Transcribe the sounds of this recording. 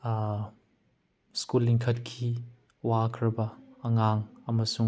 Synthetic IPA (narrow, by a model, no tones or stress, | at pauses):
skuliŋkʰɐt̚kʰi | waːkʰɾɐbɐɐŋaːŋɐmɐsʊ